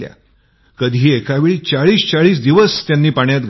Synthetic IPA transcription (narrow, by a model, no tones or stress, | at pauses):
lja̰ | kəd̪ʱiːekaʋeɭiːt͡saɭiːst͡saɭiːsd̪iʋəst̪janːiːpaɳjat̪ɡ